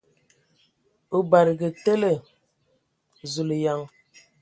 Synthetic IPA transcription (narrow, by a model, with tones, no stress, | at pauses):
o˦ba˨ɾɡə˨te˦le˨ | zu˨lja˨ŋ